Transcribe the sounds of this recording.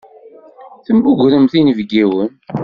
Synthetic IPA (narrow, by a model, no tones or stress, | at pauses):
θəmbuʝʷɾəmθinəvɡiwən